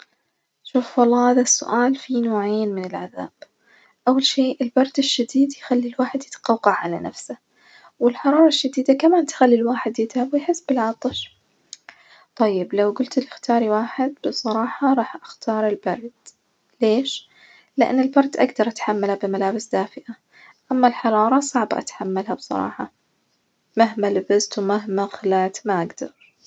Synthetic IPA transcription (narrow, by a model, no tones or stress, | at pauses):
ʃuːfwɑlˤːɑːhaːðasːʊ̰ʔaːlfinoːʕiːnmɪnɪlʕaða̰ːb̥ | ʔawːalʃeːʔɪlbɑɾˤd̪ɪʃːad̪iːd̪jxalːilwaːħɪd̪jɪt̪qɑwqɑʕʕala̰na̰fsa | wɪlħɑɾˤɑːɾˤɑʃːad̪iːd̪akamaːnt̪xalːilwaːħɪd̪jɪt̪habwɪjħɪsːbɪlʕɑːt̪ˤɨʃ | t̪ˤɑjːɪblawɡʊlt̪ɪlɪxt̪ɑːɾiwaːħɪd̪̚bɨsˤɑɾˤɑːħɑɾˤɑːħʔaxt̪ʰɑːɾˤɪlbɑɾˤd̪̥ | leːʃ | lɪʔa̰nːɪlbɑɾˤd̪ʔa̰ɡd̪ɑɾˤʔat̪ħamːalabɪmalaːbɪsd̪aːfɪʔa | ʔamːalħɑɾˤɑːɾˤɑsˤɑʕbʔa̰t̪ħamːalɦabsˤɑ̰ɾˤɑ̰ːħɑ | maɦmalɪbɪzt̪wmaɦmaxalaʕt̪maʔaɡd̪̥ɑ̰ɾˤ